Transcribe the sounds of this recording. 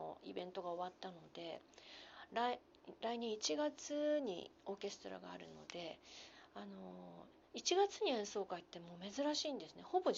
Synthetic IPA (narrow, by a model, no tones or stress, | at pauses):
o̰ibẽ̞nt̪o̞ɡao̞βat̪ːano̞d̪e̞ | ɾai | ɾaiɲ̟ĩit͡ɕiɡat͡sɨɲ̟ḭo̞ːke̞sɨ̥t̪o̞ɾa̰ɡa̰ːɾɯ̟̰no̞̰d̪e̞ano̞ | it͡ɕiɡat͡sɨɲ̟iẽ̞ɰ̃so̞ːkait̪ːe̞mo̞ːme̞zɨɾaɕiːnd̪e̞sɨne̞ho̞bo̞